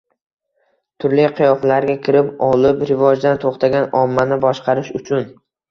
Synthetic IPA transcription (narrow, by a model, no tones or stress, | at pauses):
t̪ʰʊɾlijqʰɨjɒflaɾɡʲakʲʰɪɾɪpɒlɪpɾɪvɒd͡ʒd̪ant̪ʰoχt̪ʰaɡʲanɒmːanɪbɒʃqʰɑɾɪʃʊt͡ʃʰʊn